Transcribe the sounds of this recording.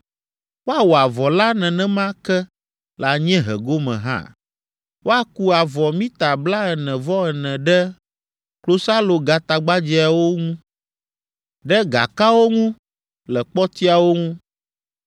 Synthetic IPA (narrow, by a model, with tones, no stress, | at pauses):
wo˦a˨wo˨a˨vɔ˨la˦nɛ̃˨nɛ̃˦mã˦kɛ˦ | la˨ɲɛ̃˦ɦɛ̰˨ɡo˦mɛ̰̃˨ɦã̰˦ | wo˦a˦ku˦a˨vɔ˨mĩ˦t̪a˨bla˦ɛ˨nɛ̃˨vɔ˦ɛ˨nɛ̃˨ɖɛ˦ | klo˦sa˦lo˨ɡa˨t̪a˨ɡ͡ba˦d͡ʑi˦a˨wo˦ŋũ˦ | ɖɛ˦ɡa̰˨ka˦wo˦ŋũ˦ | lɛ˨k͡pɔ˦t̪i˦a˨wo˦ŋũ˦